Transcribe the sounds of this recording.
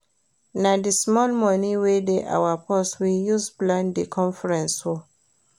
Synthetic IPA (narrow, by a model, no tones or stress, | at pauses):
nadismɔlmɔ̃niwedeʔa̰wapʰɔswijuzplãndikʰɔ̃nfɛɹɛ̃nsho